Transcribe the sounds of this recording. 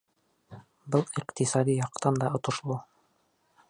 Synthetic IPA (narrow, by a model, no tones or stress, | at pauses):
bɤlˠiqt̪isɑd̪ijɑqt̪ɑnd̪ɑŏt̪ŏʃlˠɤ